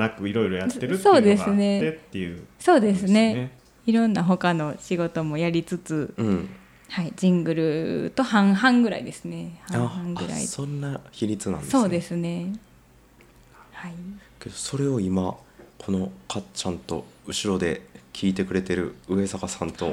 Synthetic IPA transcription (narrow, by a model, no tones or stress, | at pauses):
nakɯ̟iɾo̞iɾojat̪ːeɾɯso̞ːd̪esɨne̞et̪ːeɯso̞ːd̪e̞sɨne̞ | iɾõ̞nːaɦo̞kano̞ɕiɡo̞t̪o̞mo̞jaɾʲit͡sɨt͡sɨɯ̃ɴ | haid͡ʑĩŋɡɯ̟ɾɯ̟t̪o̞hãɰ̃ɦãŋɡɯ̟ɾa̰id̪e̞sɨne̞hãaãŋɡɯ̟ɾa̰ḭsõ̞nːaçiɾʲit͡sɨnã̰nd̪so̞ːd̪e̞sɨne̞ | haike̞d̪o̞so̞ɾe̞o̞imakʰo̞no̞kʰat͡ɕãnt̪o̞̰ɯ̟ɕiɾo̞d̪e̞kʲʰiːt̪e̞kɯ̟ɾe̞t̪e̞ɾɯ̟̰ɯ̟e̞sakasãnt̪o̞̰